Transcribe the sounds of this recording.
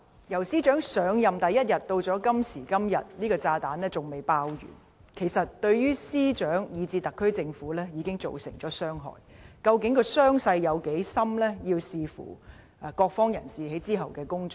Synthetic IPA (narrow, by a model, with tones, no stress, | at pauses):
jɐ˨˩wsiː˥t͡ʃœː˨˥ŋsœː˨˧˥ŋjɐ˨mt̪ɐ˨jɐ˥t̚jɐ˨t̚t̪o˧wt͡ʃɔː˨˥kɐ˥msiː˨˩kɐ˥mjɐ˨t̚liː˥kɔː˧t͡saː˧t̪aː˨˥nlɛː˥t͡sʊ˨ŋme˨jpaː˧wjy̰ː˨˩n | kʰe˨˩jsɐ˨t̚t̪ɵ˧ɥɥyː˥siː˥t͡ʃœː˨˥ŋjiː˨˧t͡siː˧t̪ɐ˨kʰːɵ˥ɥt͡sɪ˧ŋfuː˨˥lɛː˥jiː˨˧kɪ˥ŋt͡so̰˨wsɪ̰˨˩ŋt͡ʃɔː˨˥sœː˥ŋɦɔ̰ː˨˩jkɐ˧wkɪ˨˥ŋkɔː˧sœː˥ŋsɐ˧jjɐ˨˧wke˨˥jsɐ˥mlɛː˥jiː˧wsiː˧fṵ˨˩˨ | kɔː˧k̚fɔː˥ŋjɐ̰˨˩nsiː˨he˨˥jt͡siː˥ɦɐ˨wkɛː˧kʊ˥ŋt͡sɔ˨˩